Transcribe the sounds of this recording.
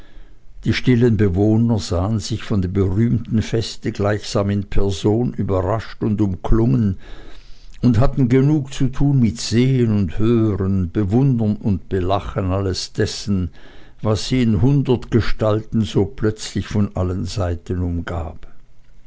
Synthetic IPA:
d̥iːʃtɪlənbəvoːnɐzaːənzɪçfɔndeːbəʁyːmtn̩fɛstəɡlaɪçz̥aːmɪnpʰɛɐzoːnyːbɐʁaʃtʊndʊmkʰlʊŋən | ʊntɦatn̩ɡənuːkt͡sutʰuːnmɪtz̥eːənʊnthøːʁənb̥əvʊndɐnʊntb̥əlaχənaləsd̥ɛsn̩ | vasz̥iːɪnɦʊndɐtɡ̥əʃtaltn̩zoːpʰlœt͡slɪçfɔnʔalənzaɪtənʊmɡa̰ːp

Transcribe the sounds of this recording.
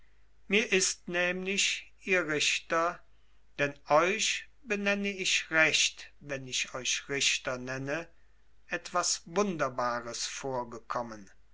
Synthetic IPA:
miːɐʔɪstnɛːmlɪʃʔiːɐʁɪʃtɐ | d̥ɛnɔʏʃ | b̥ənɛnəɪʃʁɛʃtvɛnɪʃɔʏʃʁɪʃtɐnɛnə | ʔɛtv̥asvʊndɐbaːʁəsfoːɐɡəkʰɔmən

